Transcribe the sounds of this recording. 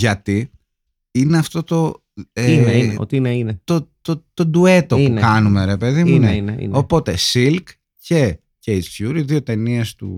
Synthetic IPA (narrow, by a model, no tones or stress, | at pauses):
ʝɐt̪i | ineɐft̪o̞t̪o̞ | eno̰t̪iineinet̪ot̪ot̪o̞d̪uet̪opunkɐnume̞ɾe̞pe̞ðimuneḭno̞po̞t̪e̞silk | ce̞ | cejzçuɾiðio̞t̪e̞niest̪ṵ